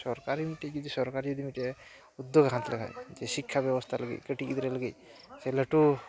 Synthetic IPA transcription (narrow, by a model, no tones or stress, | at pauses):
sɔɾkaɾimiʈed͡ʒud̪isɔɾkaɾid͡ʒud̪imiʈ̪e | ud̪joɡɦãt̪ləɡʱa̰jd͡ʒɛsikʰːabjɔbɔst̪ʰaləɡḭtkəʈikid̪ɾeləɡet | sɛləʈu